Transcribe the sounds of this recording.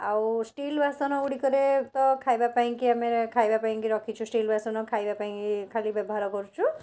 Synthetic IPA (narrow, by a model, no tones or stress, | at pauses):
awsʈilbʱasɔnɔuɽikəɾet̪ɔkʰajbapaĩkiamekʰajbapaĩŋkiɾɔkʰit͡ʃʰũsʈilbasɔnɔkʰajbapaĩkikʰalibebʱaɾɔkɔɾut͡ʃʰũ